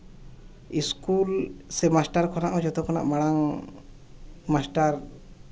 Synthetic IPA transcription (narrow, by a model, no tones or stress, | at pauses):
iskulsɛmasʈaɾkʰɔnaʔɔd͡ʒɔt̪ɔkʰɔna̰ʔmaɽaŋ | masʈaɾ